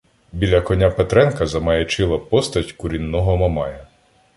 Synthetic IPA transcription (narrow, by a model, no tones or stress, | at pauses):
bʲilʲɐkɔnʲapet̪ɾɛnkɐzɐmɐjɛt͡ʃɪlˠɐpɔst̪ɐtʲkʊɾʲinːɔɦɔmɐmɑjɐ